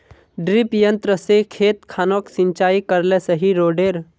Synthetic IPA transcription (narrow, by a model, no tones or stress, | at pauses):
ɖɾipjə̃nt̪ɾəsekʰeːt̪kʰaːnoksɪ̃ɲt͡ʃaːikəɾlesəɦiɾoːɖeːɾ